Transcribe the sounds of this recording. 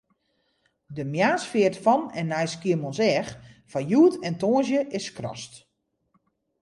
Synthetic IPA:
dəmjaːsfɪətfɔnɛnːɛjskiəmɔnsɛxfɔjuətʰɛntoːnzjəʔɪskrɔ̰st

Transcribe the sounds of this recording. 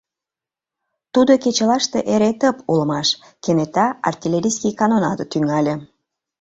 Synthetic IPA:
t̪ud̪oket͡ɕəlɑʃt̪eʔeɾet̪əpulə̆mɑʃ | kenet̪ɑɑ̰rt̪ʲilʲeɾʲijskikɑnonɑd̪t̪yŋɑlʲe

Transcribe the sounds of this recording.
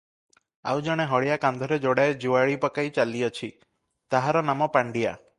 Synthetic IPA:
a̰wd͡ʒɔɽ̃eɦɔɭijakand̪ʱɔɾed͡ʒoɽaed͡ʒuaɭipɔkajt͡ʃaliɔt͡ʃʰi | t̪aɦaɾɔnamɔpaɳɖija̰

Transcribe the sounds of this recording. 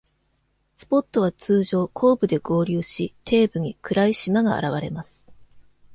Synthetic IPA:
sɨ̥po̞t̪ːo̞β̞at͡sɨːʑo̞ːkʰo̞ːbɯ̟d̪e̞ɡo̞ːɾʲɯːɕit̪ʰe̞ːbɯ̟ɲ̟ikɯ̟ɾaiɕimaɡa̰ːɾaβ̞aɾe̞masɨ̥

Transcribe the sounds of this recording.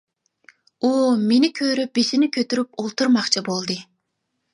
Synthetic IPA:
umenikʲʰøɾyp̚bisinikʲʰøt̪yɾypolˠt̪uɾmɑqt͡ʃʰɑbolˠd̪ɨ

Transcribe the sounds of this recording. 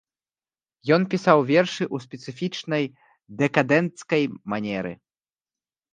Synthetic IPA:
jɔnpʲisawvʲɛrʂɨʔusʲpʲɛt̪sɨfʲit͡ʂnɐj | d̪ɛkad̪ɛnt̪skɐjmanʲɛɾɨ̰

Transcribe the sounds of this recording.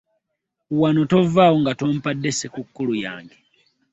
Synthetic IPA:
wanoto̞vaːwoŋɡatom̩padːe̞sekukːuluja̰ːŋɡe

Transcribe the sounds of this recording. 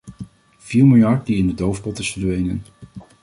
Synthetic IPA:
v̥iːɹmɪlˠjɑɹt̚diɪndədowfbɔtɪsfəɹdʋejnə̰n

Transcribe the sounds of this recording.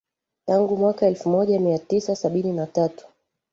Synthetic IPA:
taŋɡumwakaɛlfumɔʄamiatisasaɓininatatu̥

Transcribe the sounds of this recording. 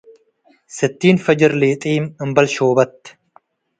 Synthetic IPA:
sɨt̪ːiːnfɐd͡ʒɪɾleːt̪ʼeːmɨmbɐlʃoːbɐt̪ː

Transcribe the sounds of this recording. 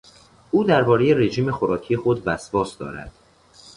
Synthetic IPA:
ʔuːd̪æɾbɒːɾeje̞ɾe̞ʒiːme̞xoɾɒːcʰijexod̪væsvɒːsd̪ɒ̰ːɾæ̰d̪̥

